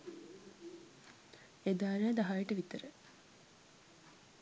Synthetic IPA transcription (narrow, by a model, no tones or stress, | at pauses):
ed̪aːɾeːd̪ɐɦajiʈəʋit̪əɾə